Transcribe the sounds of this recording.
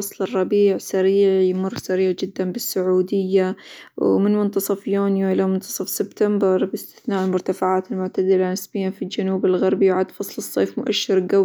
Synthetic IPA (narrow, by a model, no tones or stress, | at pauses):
ɑsˤlɨrˤːɑbiːʕsaɾiːʕjmʊrˤːsaɾiːʕd͡ʒɪd̪ːanbɪsːʊʕuːd̪ɪjːawmɪnmʊnt̪ɑsˤɑfjuːnjaʔɪlamʊnt̪ɑ̥sˤɑfsɪbt̪ambɪɾˤbɪst̪ɪ̥θnaːʔɪlmʊɾt̪afaʕaːt̪ɪlmʊʕt̪ad̪ɪlanɪsbɪjːafild͡ʒanuːbɪlɣaɾˤbiwʕad̪fɑsˤlɨsˤːeːfmʊʔaʃːɪɾɡaw